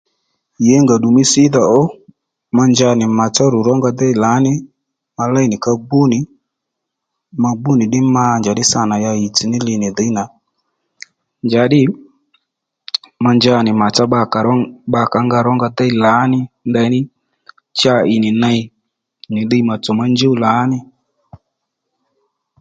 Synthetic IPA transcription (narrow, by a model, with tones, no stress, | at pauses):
jɛ˨˦ŋɡa˨ɗu˨mɪ˦sɪ˦ða˨ʔɔ˦ | ma˧nd͡ʒa˧nɪ˨ma˨t͡sa˦ɾʊ˨ɾɔ˦ŋɡa˧d̪ɛ˦i˨la˨˦nɪ˦ | ma˧la˦i˨nɪ˨ka˧bu˦nɪ˨ | ma˧bu˦nɪ˨ɗɪ˦maː˦nd͡ʒa˨ɗɪ˦sa˧˨na˨ja˧i˨t͡si˨nɪ˦lɪ˧nɪ˨ðɪ˨˦na˨ | nd͡ʒa˨˦ɗɪ˦ | ma˧nd͡ʒa˧˨nɪ˨ma˨t͡ʃa˦ɓa˧ka˨ɾɔ˦ɓa˧ka˨˦ŋɡa˧ɾɔ˦ŋɡa˧d̪ɛ˦i˨la˨˦nɪ˦ndɛ˧˦nɪ˦ | t͡ʃa˧ɪ˨nɪ˨na˧i˦ | nɪ˨ɗi˦i˦ma˨t͡sɔ˨ma˧nd͡ʒo˦u˦˨laː˨˦nɪ˦